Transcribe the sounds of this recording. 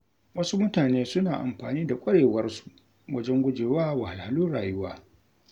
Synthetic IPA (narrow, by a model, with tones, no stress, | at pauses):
wɐ˦su˦mʊ˦taː˨neː˦sʊ˦naː˨ʔa̰˨mɸaː˨niː˦da˨kʷʼɐ˦ɽeː˨wɐ˦rsu̥˨ | wɐ˦d͡ʒɛ˦ŋɡʷʊ˦d͡ʒeː˨waː˦wa˨ha˨lha˨luː˦ɽaː˨jʊ˦waː˦